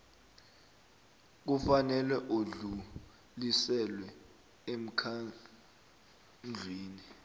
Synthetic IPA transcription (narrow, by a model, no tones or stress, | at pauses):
k̬ufanɛlɛʔoɮu | lisɛlwɛ | em̩kʰa | nd͡ɮʱwiːni